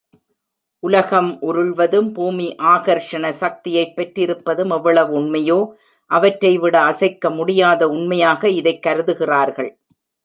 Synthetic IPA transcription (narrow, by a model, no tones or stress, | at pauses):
ʔʊlɐɣɐmʔʊɾɯɭʋɐðɯmbuːmiʔaːɣɐɾʂɐɳɐsɐk̚t̪ɪjɐɪpːɛʈrɪɾɯpːɐðɯmɛʋːɐɭɐʋɯʊɳmɐjoː | ʔɐʋɐʈrɐɪʋɪɽɐɐsɐɪkːɐmʊɽɪjaːðɐʊɳmɐjaːɣɐɪðɐɪkːɐɾɯðɯɣɪraːɾɣɐ̰ɭ